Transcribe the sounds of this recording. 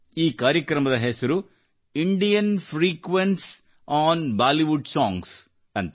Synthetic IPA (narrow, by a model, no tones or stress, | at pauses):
iːkaːɾjɐkɾɐmɐd̪ɐɦɛsɐɾu | iɳɖijɐnpʰɾiːkʋenʈs | aːnbaːliʋuɖsaːŋɡs | ɐnt̪